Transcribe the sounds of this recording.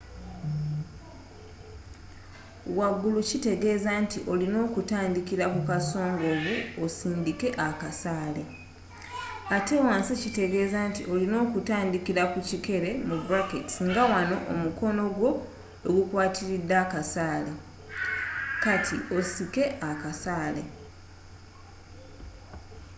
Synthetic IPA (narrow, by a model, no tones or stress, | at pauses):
waɡːulucite̞ɡe̞ːzantiʔo̞lino̞ːkutaːndikiɾakukaso̞ːŋɡo̞ːɣuosiːndike̞ʔakasaːle | ate̞waːnsicite̞ɡe̞ːzantiʔo̞lino̞ːkutaːndikiɾakucike̞ɾe̞mubuɾaketi̥sŋɡawano̞ʔːmuko̞no̞ɡwo̞ | oɡukwaːtiɾid̪ːakasaːle | katʰḭo̞sike̞akasaːle̞̰